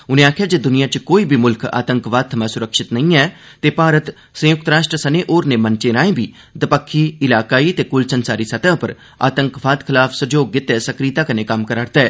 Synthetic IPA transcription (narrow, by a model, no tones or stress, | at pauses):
ʊnẽaːkʰjad͡ʒed̪ʊnijãt͡ʃkoːibʱimʊlka̰ːt̪ə̃ŋkʋaːt̪ʰːɐmãsʊɾəkʃɪt̪nɐɦĩɛː | t̪epaːɾət̪ | sɐ̃jʊk̚t̪ɾaːʃʈɾəsɐneʔoːɾnemɐnt͡ʃeɾãːẽbʱiː | d̪ɐpəkʰːiɪlaːkaːit̪ekʊlsənsaːɾisɐt̪aɦpəɾ | a̰ːt̪ə̃ŋkʋaːt̪kʰɪlaːfʰsɐd͡ʒoːɡːɪt̪ɛsɐkɾiːt̪akɐnekɐmkəɾaːɽt̪aɛː